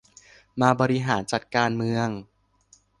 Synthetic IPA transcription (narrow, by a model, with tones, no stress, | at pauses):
maː˧bɔː˧ɾi˧ɦaː˩˦nt͡ɕa˨˩t̪̚kaː˧nmɯ˧əŋ